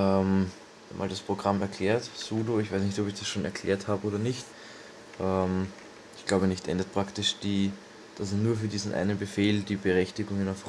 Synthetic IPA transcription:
ʔɛm | ma̰ːldaspʁ̥oɡ̥ʁamɛɐkʰl̥ɛːɐtsuːdoɪçv̥aɪsnɪçtɔpɪçd̥asʃoːnɛ̰ɐkʰl̥ɛ̰ːɐthaːbəoːdɐnɪçt | ʔɛːm | ɪçɡ̥laʊbənɪçtʔɛ̰ndət̚pʁ̥aktɪʃd̥iː | d̥asɛnuːɐfyːɐdiːzn̩ʔa̰ɪnənbəfeːldiːbəʁɛçtɪɡʊŋɪnaf

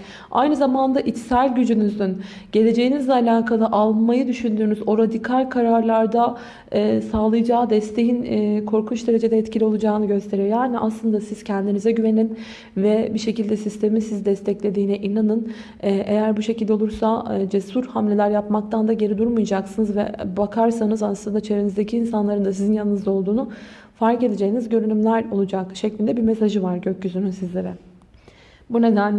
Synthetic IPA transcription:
a̰jnɯzamand̪aʔit̪sælʲɟyd͡ʒynyzynɟ̥e̞lʲe̞d͡ʒe̞jinizɛalʲaːkʰalˠɯʔalˠmajɯd̪yʃynd̪yːnyzo̞ɾad̪ikʰalʲkʰaɾaɾlˠaɾd̪a | ɛːsaːlˠɯjd͡ʒaːd̪ɛst̪ʰe̞jinkʰo̞ɾkʰunt͡ʃd̪e̞ɾe̞d͡ʒe̞d̪ɛɛt̪cʰilʲio̞lˠud͡ʒaːnɯɟø̞st̪ʰe̞ɾijjaːniʔaslˠɯnd̪asiz̥cʰɛnd̪inizɛɟyve̞nin | vɛbiʃe̞cilʲd̪ɛsist̪ʰe̞misizd̪ɛst̪ʰɛclʲe̞d̪iːnɛʔinanɯn | ɛʔe̞jæɾbuʃe̞cilʲd̪o̞lˠuɾsad͡ʒesuɾhamlʲe̞lʲæɾjapmak̚t̪ʰand̪aɟe̞ɾid̪uɾmujd͡ʒaksɯnɯzvɛ̰bakʰaɾsanɯzaslˠɯnd̪at͡ʃʰeɾenizd̪ecʰiːnsanlˠaɾɯnd̪asizinjanˠɯnɯzao̞lˠd̪uːnu | faɾke̞d̪e̞d͡ʒe̞jinizɟø̞ɾynymlʲæɾo̞lˠud͡ʒakʃɛclʲind̪ɛbiɾmesaʒɯvaɾɟøc̚ɟysynynsizlʲe̞ɾɛ | bune̞d̪æn

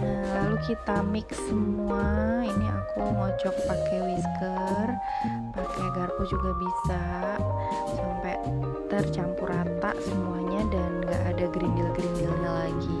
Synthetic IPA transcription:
əlalukit̪amɪk̚səmuainia̰kumɔt͡ʃɔk̚pakɛwiskər | pakɛɡarkɔd͡ʒuɡabisa | sampaj | t̪ərt͡ʃampuɾat̪a̰ʔsəmuaɲadanŋɡaʔadaɡɾindilɡɾindilɲalaɡi

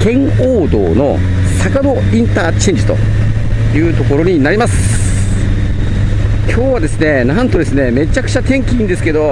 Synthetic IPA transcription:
kẽ̞ŋ̃ | oːd̪o̞̰ːno̞̰ | sakad̪o̞ | ĩnt̪aːt͡ɕẽɲ̟ʲd͡ʑi̥t̪o̞̰ | jɯ̟ːt̪o̞ko̞ɾo̞ɲ̟inaɾʲimasɨ̥ | kʲʰo̞ːβad̪e̞sɨne̞nãnt̪o̞d̪e̞sɨne̞me̞t͡ɕakɯ̥t͡ɕat̪ẽ̞ŋkʲiĩnd̪e̞sɨ̥ked̪o̞

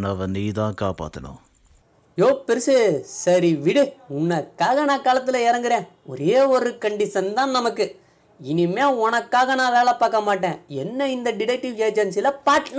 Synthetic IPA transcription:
nɐʋɐniːt̪ãːkaːpa̰ːt̪ːɐɽʊ̰̃ː | joːpɪɾɯsɯsɐɾiʋɪɽɯʊnːɐkːaːɣɐnãːkaːlɐt̪ːɯlɐɛɾɐŋɡɯɾẽː | ɔ̰ɾeːɔɾɯkɐɳɖɪsɐnd̪ãːnɐmɐkːɯ | ɪnɪmeːɔnɐkːaːɣɐnãːʋeːlɐpaːkːɐmaːʈːẽːɛnːɐɪnd̪ɐɖɪɽɛk̚ʈɪʋd͡ʒeːd͡ʒɐnsɪlɐpaːʈːn

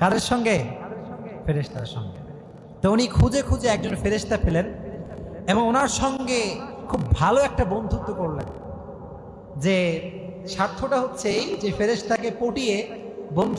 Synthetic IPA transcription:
kad̪eɾʃɔŋɡe | feɾeʃt̪a̰ɾʃɔ̰ŋɡe | t̪ounikʰud͡ʑekʰud͡ʑeɛk̚d͡ʑonfeɾeʃt̪afelen | eboŋonaɾʃɔŋɡekʰubːʱaloɛk̚ʈabond̪ʱut̪ːokoɾlḛn | d͡ʑe | ʃaɾt̪ʰːoʈaɦotːɕʰejd͡ʑefeɾeʃt̪akepoʈiebond̪ʱ

